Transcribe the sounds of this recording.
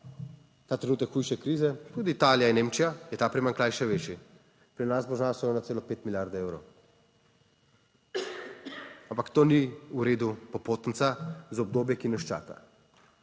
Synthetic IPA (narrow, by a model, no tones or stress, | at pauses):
t̪aːt̪ɾɛnuːt̪əkxujʃɛkɾiːzɛt̪uːd̪iːt̪aːljainːeːmt͡ʃijajɛt̪aːpɾimaŋklaːjʃɛʋeːt͡ʃi | pɾinasbɔʒnasɔjnat̪seːlɔpeːt̪miljaɾd̪ewɾow | ampakt̪oːniuɾeːd̪upɔpoːt̪n̩t̪sazɔb̚d̪oːbjɛkinɛʃt͡ʃa̰ːka̰